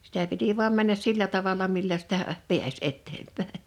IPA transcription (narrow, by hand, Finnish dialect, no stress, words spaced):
sitæ piti ʋu̞ɑm mænːæs silːæ tɑʋɑlɑ milːæ sitæ piæs etːempæˑe